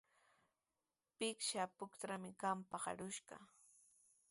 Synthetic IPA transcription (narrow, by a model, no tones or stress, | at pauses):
pɪkʃapʊkt̪ɾamɪkampɑχɑ̰ɾʊʃɢɑ̰